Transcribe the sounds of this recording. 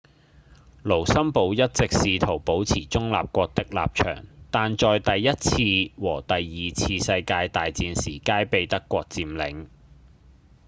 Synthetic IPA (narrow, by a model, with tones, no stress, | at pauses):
lo˨˩wsɐ˥mpo˨˧wjɐ˥t̚t͡sɪ˨k̚siː˨t̪ʰo˨˩wpo˨˥wt͡sʰiː˨˩t͡sʊ˥ŋla̰ː˨p̚kʷɔː˧k̚t̪ɪ˥k̚la̰ː˨p̚t͡ʃʰœ̰ː˨˩ŋt̪aː˨nt͡ʃɔː˨jt̪ɐ˨jːɐ˥t̚t͡sʰiː˧wɔː˨˩t̪ɐ˨jːiː˨t͡sʰiː˧sɐ˧jkaː˧jt̪aː˨jt͡siː˧nsiː˨˩kaː˥jpe˨˧jt̪ɐ˥kʷːɔː˧k̚t͡siː˨˧mlɪ̰˨˥ŋ